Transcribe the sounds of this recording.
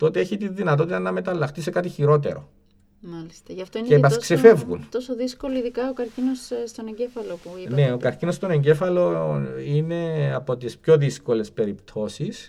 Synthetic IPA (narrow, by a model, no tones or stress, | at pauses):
t̪o̞t̪eeçit̪iðinɐt̪ot̪it̪ɐnɐme̞t̪ɐlːɐxt̪ise̞kɐt̪içiɾo̞t̪̬e̞̰ɾo̞̰ | mɐlist̪ɐʝɐft̪oincepɐsksefe̞vɣṵnt̪osoðiskoloiðikɐokɐɾcinosst̪oneɲɟefɐlopune̞o̞kɐɾcinost̪o̞neɲɟe̞fɐlo̞ine̞ɐpo̞t̪ispço̞ðisko̞le̞spe̞ɾipt̪ʰo̞sis